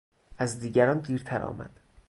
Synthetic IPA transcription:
æzd̪iːɟæɾɒːnd̪iːɾt̪ʰæɾʔɒ̰ːmæ̰d̪̥

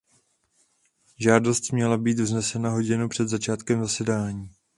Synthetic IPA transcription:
ʒaːdo̞st̪mɲɛlabiːt̪vznɛsɛnaɦo̞ɟɪnupr̝̥ɛd̪zat͡ʃaːt̪kɛmzasɛdaːɲiː

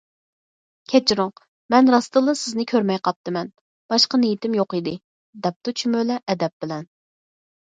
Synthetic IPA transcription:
kʲʰɛt͡ʃɾoq | mɛnɾɑst̪ɨlˠəsɪznɪkʲʰøɾmɛjqʰɑp̚t̪ɨmɛn | b̥ɑʃqɑnijit̪ɪmjoqid̪ɪ | d̪ɛp̚t̪ut͡ʃʰymølɛʔːd̪ɛp̚b̥ɪlɛn

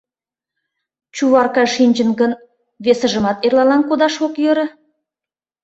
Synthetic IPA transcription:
t͡ɕuβɑrkɑʃinʲd͡ʑə̆nɡə̆n | βesə̆ʒə̆mɑt̪erlɑlɑnkod̪ɑʃokjɤ̆ɾə̆

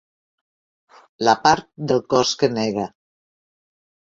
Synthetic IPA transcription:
lapaɾt̪̚d̪əlˠkɔskənɛɣa

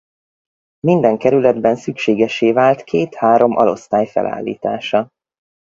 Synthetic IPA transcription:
mind̪ɛŋkɛɾylɛd̪bɛnsykʃeːɡɛʃeːvaːlt̪kʰeːt̪haːɾo̞mʔɒ̰lo̞̰st̪aːjfɛ̰lʔa̰ːlːḭːt̪a̰ːʃɒ

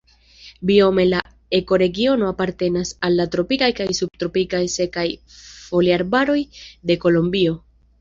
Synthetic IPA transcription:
bio̞me̞la | eko̞ɾe̞ɡio̞no̞apaɾte̞nasalːatɾo̞pikajkajsub̚tɾo̞pikajse̞kajfo̞liaɾbaɾo̞jde̞ko̞lo̞mbio̞

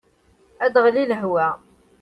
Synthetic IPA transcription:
æd̪ʁliləɦwæ

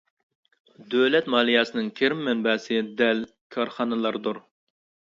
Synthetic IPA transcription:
d̪ølɛt̪mɑːlˠijɑːsɨnɪŋkʲʰeɾɪmːɛnbɛːsɨd̪ɛl | kʲʰɑɾχɑnɨlˠɑɾd̪uɾ

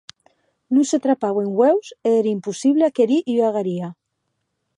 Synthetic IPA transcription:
nũset̪ɾapaβeŋɡwewseeɾaimpusiβ̞leakeɾiʔiaɣaɾia

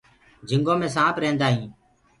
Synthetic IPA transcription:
d͡ʒʱɪŋɡõːmẽːsãːpɾẽːnd̪aːɦĩː

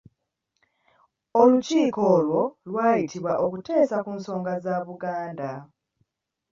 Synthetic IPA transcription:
o̞luciːko̞ːlwo̞lwaːjitʰiβwaʔo̞kute̞ːsakuːnso̞ːŋɡazaβuɡaːnda

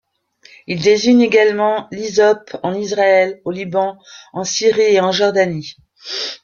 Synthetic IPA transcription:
ild̪eziɲeɡalmɑ̃lizɔpɑ̃nizʁaɛlolibɑ̃ɑ̃siʁieɑ̃ʒɔʁd̪ani

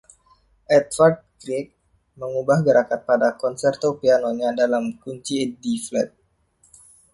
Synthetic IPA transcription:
ʔɛt̪̚fard̪̚kɾik̚ | məŋubahɡəɾakat̪̚padakɔnsɛrt̪opianoɲadalamkuɲt͡ʃiɛdiflɛt̪̚

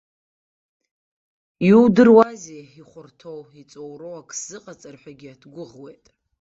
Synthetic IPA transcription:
iudɨrwazeiχʷʊrtʰowit͡sʼowrowakʰʼsz̥ɨqʼat͡sʼarħʷᶣaɡʲiatʰɡʷʊʁwe̞jtʼ

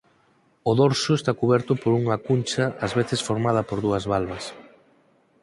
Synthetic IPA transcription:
ʊðoɾsʊest̪akuβ̞ɛɾt̪ʊpoɾuŋakunʲt͡ʃɐːzβeθesfoɾmað̞ɐpoɾðuɐzβalβɐs

